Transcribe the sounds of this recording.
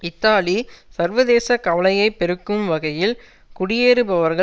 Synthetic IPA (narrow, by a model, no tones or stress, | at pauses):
ɪt̪ːaːlisɐɾʋɐðeːsɐkɐʋɐɭɐjɐɪpːɛɾɯkːɯmʋɐɣɐjɪl | kʊɽɪjeːɾɯbɐʋɐɾɣɐ